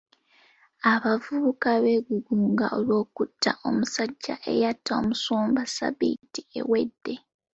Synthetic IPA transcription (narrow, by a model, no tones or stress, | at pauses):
aβavuβukaβe̞ɡuɡuːŋɡaʔo̞lwo̞ːkutːaʔo̞musaɟːa̰ʔe̞̰jatːaomusoːmbasa̰bḭːtie̞̰we̞dːe̞